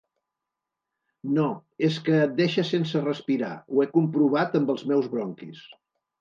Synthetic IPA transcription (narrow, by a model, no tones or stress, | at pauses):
noeskəːt̪̚d̪eʃəsensərəspiɾa̰uekumpɾuβ̞at̪əmbəlˠzmɛwzβɾɔŋkḭs